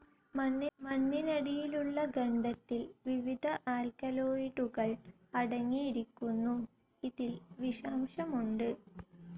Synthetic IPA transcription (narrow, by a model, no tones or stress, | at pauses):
mɐmɐnːinɐɽijiluɭːɐɡɐɳɖɐt̪ːilʋiʋid̪ʱɐʔaːlkɐloːiɽuɣɐɭ | ɐɽɐŋːijiɾikʲːunːu | iðilʋiʂɐːmʂɐmuɳɖɨ